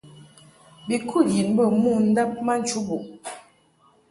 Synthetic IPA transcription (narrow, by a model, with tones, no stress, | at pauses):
bi˨kʰu˦˨ji˨nbə˦˨mu˦˨n̩˦da˦p̚ma˦n̩˨t͡ʃu˨˦bu˨ʔ